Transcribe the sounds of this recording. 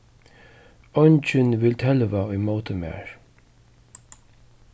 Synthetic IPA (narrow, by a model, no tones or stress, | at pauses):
ɔnt͡ʃənvɪlt̪ʰɛlvaɔjmoːt̪ʰəmɛ̰ːɹ